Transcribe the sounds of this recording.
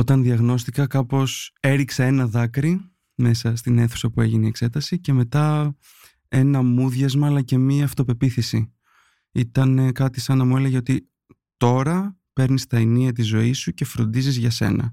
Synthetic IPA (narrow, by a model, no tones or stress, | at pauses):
o̞t̪ɐnðiɐɣno̞st̪ikɐkɐpo̞se̞ɾiksee̞nɐðɐkɾi | me̞sɐst̪ine̞θu̥sɐpue̞ʝineiekse̞t̪ɐsice̞me̞t̪ɐ | e̞nɐmuðʝɐzmɐːlɐce̞miɐːft̪o̞pe̞piθisi | it̪ɐnekɐt̪isɐnɐmue̞leʝeo̞t̪i | t̪o̞ɾɐ | pe̞ɾnist̪ɐiniɐt̪̬izo̞isuce̞fɾo̞̰nd̪izizʝɐse̞̰nɐ̰